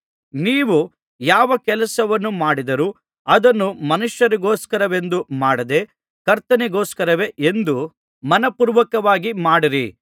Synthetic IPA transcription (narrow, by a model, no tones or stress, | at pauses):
niːʋu | jaːʋɐkɛlɐsɐʋɐnːumaːɽid̪ɐɾu | ɐd̪ɐnːumɐnuʂjɐɾiɡoːskɐɾɐʋe̞nd̪umaːɽɐd̪e̞ | kɐɾt̪ɐnɛɡoːskɐɾɐʋe̞ʔend̪u | mɐnɐpuːɾʋɐkɐʋaːɡimaːɽiɾḭ